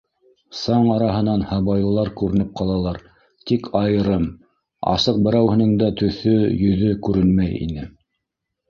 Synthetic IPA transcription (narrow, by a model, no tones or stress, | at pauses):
sɑɴɑɾɑɦɤ̆nɑnhɑβɑjlˠɤ̆lˠɑɾkʉɾɘ̆nɘp̚qɑlˠɑlˠɑɾ | t̪ikʰɑjɤ̆ɾɤm | ɑ̰sɤq̚bɘ̆ɾæwhɘ̆nɘŋd̪æt̪ɵ̆θɵjɵ̆ðɵkʉɾɘnmæjḭnɘ